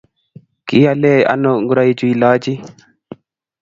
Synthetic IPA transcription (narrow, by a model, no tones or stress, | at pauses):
kijalɛjʔa̰nːɔŋɡuɾajd͡ʒuilaːd͡ʒi